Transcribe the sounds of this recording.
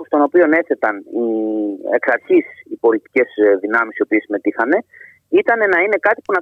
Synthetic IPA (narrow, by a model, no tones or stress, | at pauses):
st̪o̞no̞pio̞ne̞θe̞t̪ɐnie̞ksɐɾçisipo̞lit̪i̥ce̞sðinɐmisio̞piesime̞t̪ixɐne̞ | it̪ɐne̞nɐine̞kɐt̪i̥punɐ